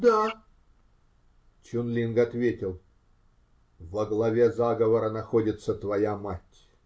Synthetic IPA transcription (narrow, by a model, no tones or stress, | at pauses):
d̪a | t͡ʃʊnlʲinɡɐt̪vʲetʲɪlˠ | vəɡlˠɐvʲezaɡəvəɾənɐxodʲɪt̪sət̪vɐjamatʲ